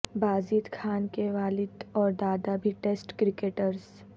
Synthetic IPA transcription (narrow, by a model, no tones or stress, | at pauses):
baːzit̪kʰaːnkeʋaːlɪd̪ɔːɾd̪aːd̪abʱiʈeːsʈkɾɪkeːʈəɾs